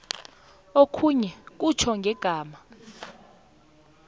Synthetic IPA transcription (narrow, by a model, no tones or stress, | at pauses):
okʰuɲɛk̬ʼut͡ʃʰɔŋɡʱɛɡ̥ʱaːma